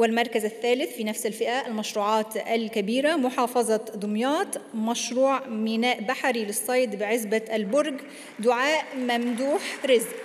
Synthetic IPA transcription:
wɪlmɑɾˤkazaθːæːlɪθfiːnæfsalfɪʔaʔalmɑʃɾuːʕɑːt̪alkabiːɾamʊħɑːfɑzˤɑd̪ˤʊmjɑːt̪mɑʃɾuːʕmɪnaːʔbaħaɾilɪsˤːɑjd̪bɪʕɪzbaʔalbʊɾɡ | d̪ʊʕaːʔmamd̪uːħɾɪzʔ

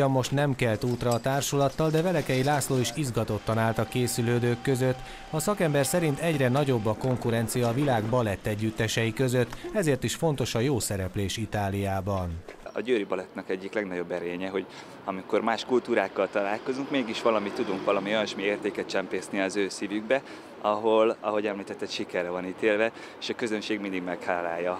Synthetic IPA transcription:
ɒmːo̞ʃt̪nɛmkɛlt̪uːt̪rɒːt̪aːrʃulɒt̪ːɒld̪ɛvɛlɛkɛjilaːsloːiʃizɡɒt̪o̞t̪ːɒnaːlt̪ɒkeːsyløːd̪øːkːø̞zøt̪ː | ɒsɒkɛmbɛrsɛɾint̪ɛɟrɛnɒɟo̞bːɒko̞ŋkuɾɛnt̪sijɒːvilaːɡbɒlɛt̪ːɛɟːyt̪ːɛʃɛjikøzø̞t̪ːɛzeːrt̪iʃfo̞n̪t̪o̞ʃɒjoːsɛɾɛpleːʃit̪aːlijaːbɒnɒ̰ɟøːɾibɒlɛt̪nɛkɛɟːiklɛɡnɒɟo̞bːɛɾeːɲɛɦo̞ɟ | ɒmiko̞rmaːʃkult̪uːɾaːkːɒlt̪ɒlaːlko̞zuŋkmeːɡiʃʋɒlɒmit̪ːud̪uŋkvɒlɒmiojɒnʃmieːrt̪eːkɛt̪̚t͡ʃɛmpeːsniɒzøːsivyɡbɛ | ɒɦolɒ̰ɦo̞ɟɛmliːt̪ɛt̪ːɛt̪ʃikɛrːɛvɒniːt̪eːlvɛ | eːʃɒkøzønʃeːɡmind̪iɡmɛkhaːlaːjːɒ

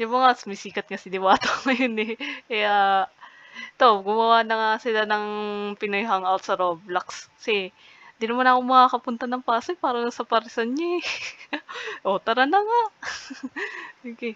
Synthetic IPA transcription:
jʊŋmɐŋasʊmɪsiːkɐt̪̚ŋasɪd̪ɪwaːt̪oŋɐjonɛʔɛʔa | t̪o̞ɡʊmɐwanɐŋasɪlanɐŋpɪnojɦɐŋɐlt̪sɐɾob̚lɐkskɐ̥sɛ | nd̪inɐmanɐkoŋmɐkakɐpʊnt̪ɐnɐŋpaːsojpaːɾɐnɐsɐpɐɾsɐnɲaɛ | ʔot̪ɐɾɐnɐŋaʔ | kɛ

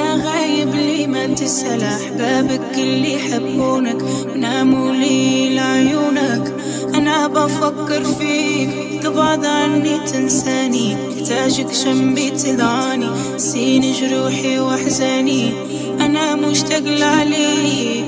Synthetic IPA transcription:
aɣajːɪbliːmant̪ɪsalaʔaħbaːbakɪlːijħabːuːnakwnaːmuliːlʕjuːnak | ʔanaʔabafakːɪɾfiː | t̪ɨbɑʕd̪ˤʕanːit̪ɪnsaːni | t̪aːʒakʃambit̪ɨd̪ʕɑːni | siːnɪʒɾuːħiwʔaħzaːni | ʔanamʊʃt̪aɣlʕaliː

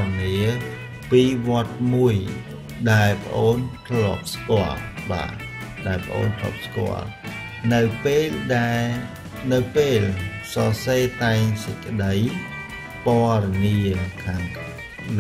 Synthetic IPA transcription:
niə | piːʋŏət̪̚muəj | ɗaɛlpə̰̆ʔoːnt̪ʰlop̚skŏəlɓa̰ː | ɗaɛlpə̆ʔo̰ːnt̪ʰlo̰ːp̚skŏ̰əl | nɨwpeːlɗaɛ | nɨwpeːlsɑseːt̪aɛŋsəc̚kə̆ɗəj | poərɑniəkʰaːŋ

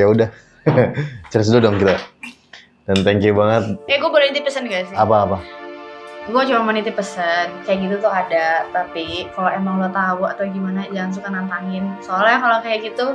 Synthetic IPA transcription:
audah | t͡ʃəɾɪs̬dodɔŋkit̪a | dant̪ɛŋkibaŋət̪̚ɛɡuabolɛint̪ipəsənɡasɪapaːpa | ɡuat͡ʃumamənint̪ipəsənkajaʔɡit̪ut̪ʊɦadat̪apikaloemaŋɡuat̪auat̪awɡimanad͡ʒaŋans̬ukanant̪aŋɪnsoalahjaŋkalokajaʔɡit̪u

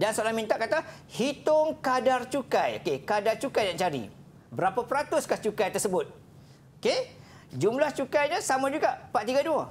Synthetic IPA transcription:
dansolamĩnt̪aʔkat̪a | hit̪ʊŋkadart͡ʃukajokekadart͡ʃukajdant͡ʃaɾḭ | bəɾapapəɾat̪ʊskaht͡ʃukajt̪ərsəbʊt̪̚ | oke | d͡ʒumlaht͡ʃukajɲəsamãd͡ʒuɡaʔpat̪iɡadua

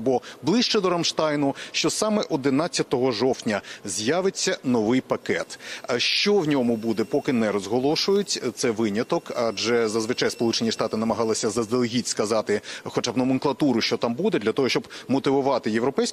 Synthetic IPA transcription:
bɔblˠɪʃt͡ʃɛd̪ɔɾɐmʃt̪ɑjnʊʃt͡ʃɔsɑmɛʔɔd̪ɪnat͡sʲːɐt̪ɔɦɔʒɔwtʲnʲɐzʲjaʋɪt͡sʲːɐnɔʋɪjpɐkɛt̪ʃt͡ʃɔwnʲɔmʊbud̪ɛpɔkɪnɛɾɔzɦɔlˠɔʃʊjʊtʲt̪sɛʋɪnʲɐt̪ɔkɐd͡ʒɛzɐzʋɪt͡ʃajspɔlˠut͡ʃenʲiʂt̪ɑt̪ɪnɐmɐɦɑlˠɪsʲɐzɐzd̪elˠɦʲitʲskɐzɑt̪ɪxɔt͡ʃabnɐmɪŋklˠɐt̪uɾʊʃt͡ʃɔt̪ɑmbud̪ɛd̪lʲɐt̪ɔɦɔʃt͡ʃɔbmɔt̪ɪʋʊʋɑt̪ɪjeʋɾɔpɛjsʲ

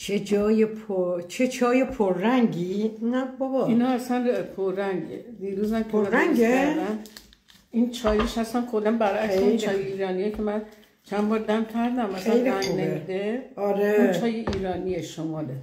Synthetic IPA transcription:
t͡ʃʰed͡ʒɒːjepʰot͡ʃʰet͡ʃʰɒːjepʰoɾːæŋɡiinabɒbɒinɒːasænpʰoɾːæŋɟḛd̪iːɾuːzæmkʰemæɾæŋed̪æm | int͡ʃʰɒːjeʃæsænkʰod̪æmbæɾækseint͡ʃɒːjeiːɾɒːnijecʰemæn | t͡ʃʰænbɒːɾd̪æmk̪ʲʰæɾd̪æmæsæejleæŋnemid̪eɒɾeint͡ʃʰɒːjeʔiːɾɒːnijeʃomɒːle

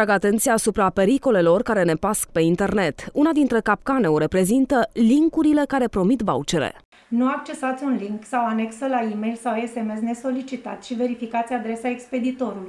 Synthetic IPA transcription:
ɾaɡat̪e̞nt̪sijaːsupɾape̞ɾiko̞le̞lo̞rkaɾe̞ne̞paskpe̞int̪e̞rne̞t̪unad̪int̪ɾe̞kap̚kane̞oɾe̞pɾe̞zint̪əliŋkuɾile̞kaɾe̞pɾo̞mit̪va̰ut͡ʃe̞ɾḛ | nuak̚t͡ʃe̞sat̪sʲunliŋksawane̞ksəlaimejlsawe̞se̞me̞sne̞so̞lit͡ʃit̪at̪ʲʃive̞ɾifikat̪sʲad̪ɾe̞saekspe̞d̪it̪o̞ɾuluj

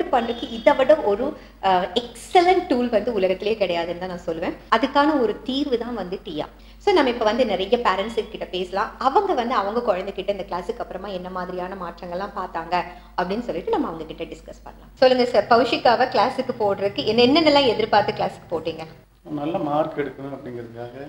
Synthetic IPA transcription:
ɯpɐɳrɯkːɯɪðɐʋɐɽɐɔɾɯ | ɛksɛlɐɳʈʈuːlʋɐnd̪ɯʊɭɐɣɐt̪ːɪlɪjeːkɪɽɐjaːðɯnd̪ãːnãːsɔlːɯʋẽːɐðɯkːaːnɐɔɾɯt̪iːɾʋɯt̪ãːʋɐnd̪ɯʈiːja̰ː | soːnɐmːɐɪpːoːʋɐnd̪ɯnɪɾɐjːɐpaːɾɛɳʈsɯkːkːɪʈːɐpeːsɐlãːɐʋɐŋɡɐʋɐnd̪ɯɐʋɐŋɡɐkɔɻɐnd̪ɯkɪʈːɐɪnd̪ɐklaːsɯkːɐpːɯɾɐmaːɛnːɐmaːðɪɾɪjaːnɐmaːʈrɐŋɡɐɭlãːpaːɾt̪aːŋɡɐ | ɐpːɐɽɪnːɯsɔlːɪʈːɯnɐmːɐːʋɐŋɡɐkɪʈːɐɖɪskɐspɐ̰nːɐlãːsɔlːɯŋɡɐsɐɾpɐʋɯʂɪkːaːʋɐklaːsɯkːɯpoːʈɾɐðɯkːɯɛnːɛnːɛnːɛlːãːɛðɪɾpaːɾt̪ɯklaːsɪ̥kːɯ̥poːʈːiːŋɡɐ | nɐlːɐmaːɾkɛɽɯkːɐnũɐpːɐɽɪŋɡɐɾɡaːɣɐ

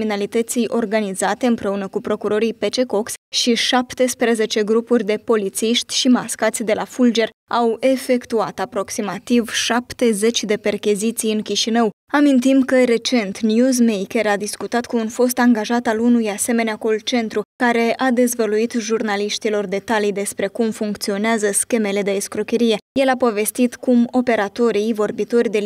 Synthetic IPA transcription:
minalit̪ət̪sijʔo̞rɡanizat̪e̞ɨmpɾe̞unəkupɾo̞kuɾo̞ɾijpe̞t͡ʃe̞ko̞ksʃiʃapt̪e̞spɾe̞ze̞t͡ʃe̞ɡɾupurʲd̪e̞po̞lit̪siʃt̪ʲʃimaskat̪sʲd̪e̞lafuld͡ʒe̞r | awe̞fe̞kt̪uat̪apɾo̞ksimat̪ivʃapt̪e̞ze̞t͡ʃʲd̪e̞pe̞rkʲizit̪sijɨnkʲiʃinəw | amint̪imkəɾe̞t͡ʃe̞nt̪njuzmejkʲe̞ɾad̪iskut̪at̪kuːnfo̞st̪aŋɡaʒat̪alunujase̞me̞neako̞lt͡ʃe̞nt̪ɾukaɾe̞ad̪e̞zvəluit̪ʒurnaliʃt̪ilo̞rd̪e̞t̪alijd̪e̞spɾe̞kumfuŋkt̪sio̞neazəskʲe̞me̞le̞d̪e̞ːskɾukʲe̞ɾije̞je̞lapo̞ve̞st̪it̪kumo̞pe̞ɾat̪o̞ɾijvo̞rbit̪o̞rʲd̪e̞

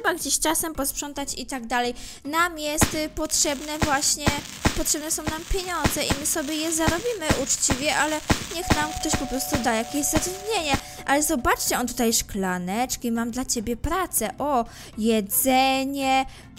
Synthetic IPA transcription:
ʂɛbaɡd͡ʑeɕt͡ʂasɛmpɔspʂɔnt̪at͡ɕit̪aɡ̚d̪alɛj | namjɛst̪pɔtʂɛbnɛvwaɕɲɛ | pɔtʂɛbnɛsɔ̃w̃nampʲjeɲɔnd̪zɛʔimɘsɔbʲjɛjɛzaɾɔbʲimɘʔut͡ʂt͡ɕivʲjɛʔalɛɲɛxnamkt̪ɔɕpɔpɾɔst̪ud̪ajakʲeʑzat̪ɾud̪ɲeɲɛ | ʔalɛzɔbat͡ʂt͡ɕɛɔnt̪̬ut̪ajʂklanɛt͡ʂkʲimamd̪lat͡ɕebʲjɛpɾat̪sɛʔɔ | jɛd̪zɛɲɛ

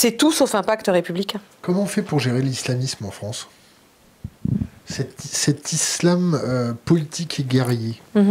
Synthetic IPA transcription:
sɛt̪usofɛ̃pakt̪əʁepyblikʲɛ̃ | kɔmɑ̃fɛpuʁʒeʁelislamismɑ̃fχɑ̃s | sɛt̪sɛt̪islamøpɔlit̪ʰikeɡʲɛʁje

